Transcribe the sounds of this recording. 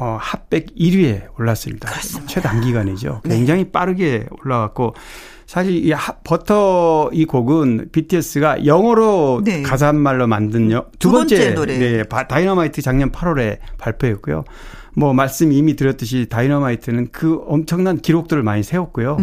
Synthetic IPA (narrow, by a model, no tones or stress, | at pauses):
ʌhap̚p͈e̞ɡiɾie̞oɭːas͈ɯmɲidat͡ɕʰwe̞daŋɡiɡaned͡ʑo̰kwweŋd͡ʑaŋɦip͈aɾɯɡe̞oɭːaɡak̚k͈o | sʰaɕʰiɾihapʌtʰʌikoɡɯnpitʰies͈ɯɡajʌŋwʌɾokas̬aɦnmaɭːomandɯnʌtubʌnt͡ɕ͈ene̞patainʌmaitʰɯt͡ɕaŋɲʌnpʰaɾoɾe̞paɭpʰjoet̚k͈ujo̰ | mwʌmaɭs͈ɯmiːmitɯɾjʌt͈ɯɕ̬ʰitainʌmaitʰɯnɯnkɯʌmt͡ɕʰʌŋnankiɾok̚t͈ɯɾɯɭmaɲisʰe̞wok̚k͈ojo